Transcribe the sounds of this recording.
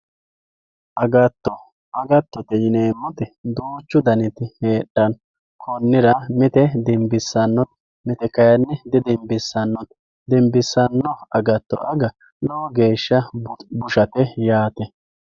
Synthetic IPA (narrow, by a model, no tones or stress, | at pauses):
ʔɐɡɐt̪ːɔ | ʔɐɡɐt̪ːɔt̪ɛjɪneːmːɔt̪ɛd̪uːt͡ʃːʊd̪ɐnɪt̪ɪheːɗːɐn | kʰɔnːɪɾɐmɪt̪ɛd̪ɛmbɪsːɐnːɔt̪ | mɪt̪ɛkɐjɐnːɛd̪ɛd̪ɛmbɪsːɐnːɔn | d̪ɛmbɪsːɐnːɔɐɡɐt̪ːɔ̰ʔɐɡɐ | lɔɔɡe̞ːʃːɐbʊʃɐt̪ɛjaːt̪ɛ